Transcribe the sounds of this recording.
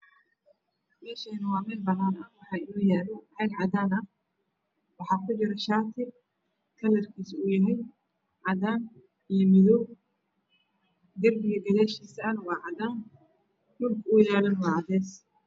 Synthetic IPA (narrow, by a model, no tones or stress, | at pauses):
mɛːʃɛnɐwɑːmɛːlbɐnaːnɐwɑħɑːɪnɔːjɛːlɐʕɛɡʕɑd̪aːnɐh | wɑħɑːkʰʊt͡ʃɪɾɐʃaːt̪ʰɪ | kʰɐlɐrkʰiːsʊjɐɦɛj | ʕɑðaːn | ijɔmɪðɔb̚ | ɡ̪ɐrbɪɣɐd̪ɐɣaːʃiːsɐɐnwɑːʕɑdaːn | dʊlkʰʊjaːlɐnwɑʕɑðɛːs